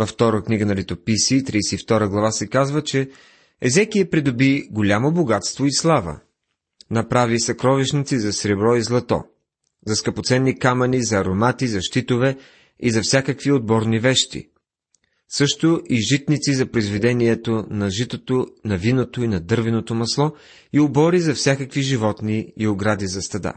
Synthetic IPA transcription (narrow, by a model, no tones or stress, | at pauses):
vɐft̪ɔɾəkniɡənɐlit̪opisit̪ɾisɛift̪ɔɾəɡlˠɐvasɛkazvət͡ʃɛ | ɛzɛkiəpɾid̪obiɡolʲamoboɡat̪st̪voislˠavə̰ | nɐpɾavisɐkɾɔviʃnit̪sizɐsɾɛbɾɔizlˠɐt̪ɔ̰ | zɐskɐpot̪sɛnːikamɐnizɐːɾomat̪izɐʃt̪it̪ovɛ | izɐfsʲakəkviod̪̚bɔɾnivɛʃt̪ḭ | sɤʃt̪ʊʔiʒit̪nit̪sizɐpɾoizvɛd̪ɛniɛt̪onɐʒit̪ot̪onɐvinot̪oinɐd̪ɤɾvɛnot̪omɐslˠɔ | iobɔɾizɐfsʲjakəkviʒivɔt̪niioɡɾad̪izɐst̪ɐd̪a̰